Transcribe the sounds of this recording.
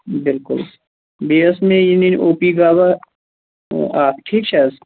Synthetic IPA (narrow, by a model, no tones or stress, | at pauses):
bɪlkʊ̰l | beːəsmẽjininʔoːpiɡaːba | aːpʈʰiːk̚t͡ʃʰas